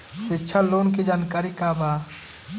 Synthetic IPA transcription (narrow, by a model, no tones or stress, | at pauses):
sɪtːʃʰaloːnk̬id͡ʒaːnkaːɾikabaː